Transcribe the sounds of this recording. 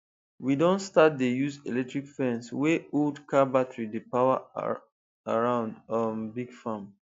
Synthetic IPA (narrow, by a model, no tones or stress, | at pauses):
widɔ̃nstat̚dejuzelɛk̚tɹikfɛ̃nsweodkabatɹidəpawa | aɹãʊ̃ndɔ̃nbiɡfãm